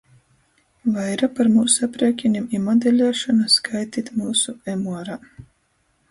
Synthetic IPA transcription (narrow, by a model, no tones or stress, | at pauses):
vajɾapaɾmuːsapɾiɛkʲinʲimimɔd̪elʲaːʃɔnaskʰajt̪iːt̪muːsuemuɔɾa